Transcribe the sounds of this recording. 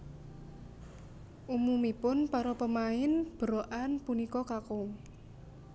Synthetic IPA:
ʔumumipʊnpaɾɔpəmaɪnb̥əɾoʔanpunikɔkakʊŋ

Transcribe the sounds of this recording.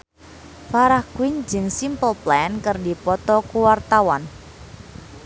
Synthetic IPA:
faɾahkuwiɲd͡ʒəŋsimpəlplaɛnkərdi̤pɔt̪ɔkuwart̪awɔn

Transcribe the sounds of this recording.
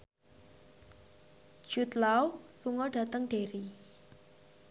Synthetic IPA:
ʒ̥ut̪lawluŋɔɖ̥ä̤t̪əŋɖ̥eɾi

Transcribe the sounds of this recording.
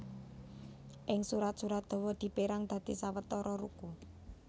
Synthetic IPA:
ʔɪŋsuɾat̪̚suɾat̪̚d̪̥o̤wɔd̪̥i̤peɾaŋd̪̥ä̤d̪̥isawət̪ːɔɾɔɾuku

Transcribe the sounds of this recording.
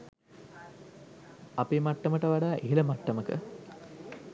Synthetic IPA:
apemaʈːəməʈəʋaɖaːʔeɦiləmaʈːəməkə̰

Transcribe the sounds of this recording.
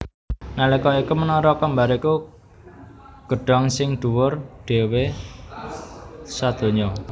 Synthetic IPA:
nalekɔikumənɔɾɔkambaɾiku | ɡ̥ə̤ɖ̥ɔ̤ŋsɪŋɖ̪̥ṳwʊrɖ̥e̤we | sad̪̥o̤ɲɔ

